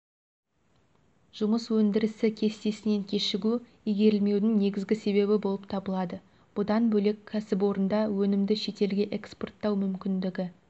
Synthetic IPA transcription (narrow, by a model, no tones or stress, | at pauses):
ʒ̥ʊməswɵnd̪ɪɾɪsɪkʲʰe̞st̪e̞sɪne̞ŋkʲʰe̞ʃɪɡʲu | ijɡʲe̞ɾɪlme̞wd̪ɪŋne̞ɡʲɪzɡʲɪse̞βe̞βɪbo̞lˠəp̚t̪ʰɑbəlˠɑd̪ə | b̥ʊd̪ɑnbɵle̞kʲʰːæsɪp̬wo̞ɾənd̪ɑwɵnɪmd̪ɪʃe̞t̪e̞lɡʲe̞ʔekspo̞rt̪ːɑwmʏmkʲɪnd̪ɪɡʲɪ